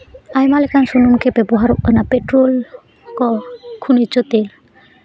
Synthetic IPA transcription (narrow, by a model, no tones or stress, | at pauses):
ajmalekansununkebɛbɔɦaɾ̰napeʈɾol | kɔkʰunit͡ʃot̪el